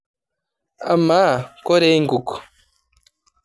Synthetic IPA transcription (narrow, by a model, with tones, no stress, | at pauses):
a˨ma˦ko˦ɾe˦ŋɡu˨ko̥˨